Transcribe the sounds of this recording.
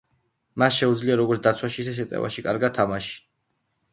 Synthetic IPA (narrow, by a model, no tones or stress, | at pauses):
masʃɛud̪zliaɾɔɡɔɾt̪ʰd̪at̪sʰwaʃisɛʃ̬ɛt̪ʼɛ̰va̰ʃikʼaɾɡad̪̚ʰːamaʃi̥